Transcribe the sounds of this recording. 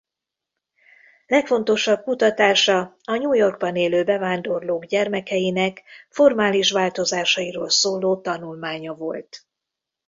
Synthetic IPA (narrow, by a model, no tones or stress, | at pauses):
lɛkfo̞nt̪o̞ʃɒb̚kut̪ɒt̪aːʃɒ | ɒɲuːjo̞rɡ̚bɒneːløːbɛvaːnd̪o̞rloːɡɟɛrmɛkɛjinɛkfo̞rmaːliʃʋaːlt̪o̞zaːʃɒiɾoːlsoːloːt̪ɒnulmaːɲɒvo̞lt̪